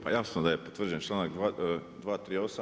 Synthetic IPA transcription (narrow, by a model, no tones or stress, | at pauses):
pajasnod̪ajepot̪ʋr̩d͡ʒujent͡ʃlaːnakd̪ad̪ʋaːt̪ɾiːo̞sa